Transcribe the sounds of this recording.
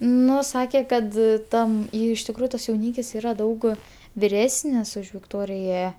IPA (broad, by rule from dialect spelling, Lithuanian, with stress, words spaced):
ˈnʊ ˈsɑːkʲeː kɐt ˈtɐm ˈjɛɪ ɪʃ tʲɪkˈruːjʊ ˈtɐs jɛʊˈnʲiːkʲɪs ˈiːrɐ ˈdɐʊk ʋʲɪˈrʲæːsʲnʲɪs ʊʃ ʋʲɪkˈtoːrʲɪjɛ